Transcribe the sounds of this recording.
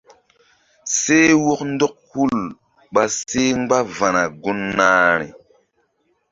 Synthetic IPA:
se˦wo˦kn˦do˦k̚hu˦˨l | ɓa˨se˦ŋ˦ɡ͡ba˦va˨na˨ɡu˦nːaː˦ɾḭ˨

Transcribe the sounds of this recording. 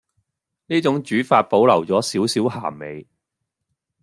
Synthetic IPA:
niː˥t͡sʊ˨˥ŋt͡ʃyː˨˥faː˧t̚po˨˥wlɐ˨˩wt͡sɔː˨˥siː˨˥wsiː˨˥wha̰ː˨˩me˨˧j

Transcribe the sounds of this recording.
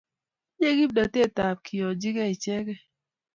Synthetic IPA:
je˦ɡi˦b̚dɔ˨te˦˨ta˨p̚kʰi˨jɔ˨d͡ʒi˦ɡɛ˦i˨t͡ʃɛ˦ɡɛ˦

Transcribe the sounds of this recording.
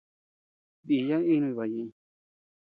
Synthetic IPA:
bi˨ja˦ĩ˦˧nũ˧i˧βa˨jĩ˧

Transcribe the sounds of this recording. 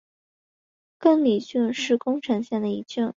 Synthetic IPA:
kə˥˩ŋli˨˩t͡ɕy˥˧nʂɻ̩˥˩kʊ˥ŋʈ͡ʂʰɤ˧˥ŋɕjɛ˥˩nd̪ə˩i˧˥t͡ɕy˥˩n

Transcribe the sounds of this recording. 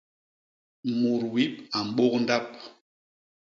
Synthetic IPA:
mu˨ɾwi˨˦pa˨m̩˨ɓo˦kn̩˦da˦p̚

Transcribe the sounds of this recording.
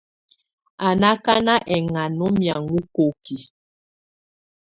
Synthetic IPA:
a˨na˦ka˦na˦ʔɛ˨ŋa˨nɔ˦mja˨ŋu˦ko˨ki˨

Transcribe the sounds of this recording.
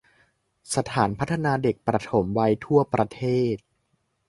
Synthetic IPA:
sa˧t̪ʰaː˩˦npʰa˦˥t̪ʰːa˧naː˧de˨˩k̚pɾa˧t̪ʰo˩˦mwa˧jt̪ʰu˥˩ɐpɾa˧t̪ʰeː˥˩t̪̚

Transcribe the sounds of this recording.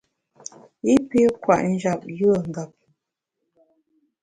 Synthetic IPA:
i˦pe˦kwa˨ʔn̩˦d͡ʒa˨p̚jɯ˦˨ŋ̩˨ɡa˨p̚

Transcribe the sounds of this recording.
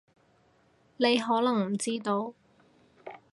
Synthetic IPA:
ne˨˧jɦɔː˨˥lɐ˨˩ŋm̩˨˩t͡siː˥t̪o˨˧w

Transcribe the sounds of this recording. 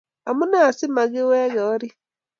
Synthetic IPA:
a˨mu˦na˦˨si˦ma˨ɡe˦wɛ˦ɡa˨wa˦ɾi˦

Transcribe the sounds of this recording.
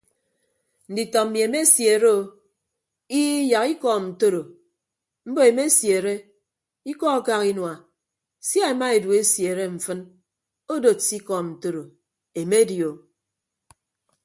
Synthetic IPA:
n̩˨di˨tɔ˨mi˨e˨me˦sje˨ɾe˦o˨ | i˦ja˨ki˦kɔ˦˨n̩˨to˦ɾo˨ | m̩˦bo˦e˨me˦sje˨ɾe˦ | i˦kɔ˦ka˦ki˦nwa˨ | sja˦e˨ma˦e˨du˨e˦sje˨ɾe˦ɱ̩˨fɨ˦n | o˦do˨si˦kɔ˨n̩˨to˦ɾo˨ | e˨me˦djo˨

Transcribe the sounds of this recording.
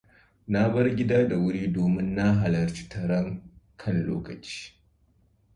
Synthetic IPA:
na˦bɐ˦rɡʲɪ˦daː˦da˨wʊ˦ɽiː˦doː˨mɪ˦nːa˦ɦa˨lɐ˨rt͡ʃi̥˦tɐ˨ɽɐ˦ŋkʰɐ˦nlo̰ː˦kɐ˨t͡ʃi̥ː˦

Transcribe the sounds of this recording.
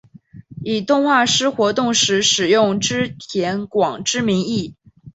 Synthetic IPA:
i˨˩t̪ʊ˥˧ŋxwa˥˩ʂɻ̩˥xwɔ˧˥t̪ʊ˥˩ŋʂɻ̩˧˥ʂɻ̩˨˩jʊ˥˩ŋʈ͡ʂɻ̩˥t̪ʰjɛ˧˥nkwɑ˨˩ŋʈ͡ʂɻ̩˥mi˧˥ŋi˥˩

